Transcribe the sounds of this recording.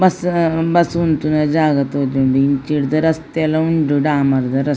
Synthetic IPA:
bɐsbɐsunt̪unɐd͡ʒaːɡɐt̪oːd͡ʒ̪uɳɖuiɲt͡ʃiɽd̪ɐɾɐst̪elɐuɳɖuɖaːmɐɾd̪ɐɾɐs

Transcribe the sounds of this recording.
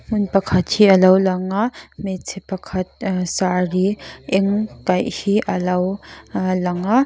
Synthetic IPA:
ŋunpɐkʰɐt̪̚hiʔɐlɐwlɐŋamɛt͡sʰepɐkʰɐt̪̚saɾiʔɛŋkɐjhiʔɐlɐwlɐŋa

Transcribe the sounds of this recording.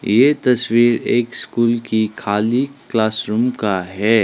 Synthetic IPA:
jet̪ɐswiːɾeːkskuːlkikʰaːliklaːsɾuːmkaɦɛː

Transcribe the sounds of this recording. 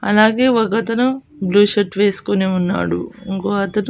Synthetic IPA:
ɐ̰laːɡe̞ːʋɐkɐt̪ɐnu | bluːʃɐʈʋe̞ːsu̥koneːunːa̰ːɽṵŋkoːɐt̪ɐnu

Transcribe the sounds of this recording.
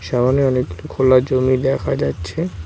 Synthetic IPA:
ʃɛbaneɔnek̚ɡulokʰolːad͡ʑomid̪ɛkʰad͡ʑatːɕʰe

